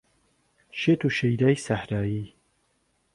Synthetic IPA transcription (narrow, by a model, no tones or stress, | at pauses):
ʃeːt̪ʰuːʃejd̪aːjsahɾaːji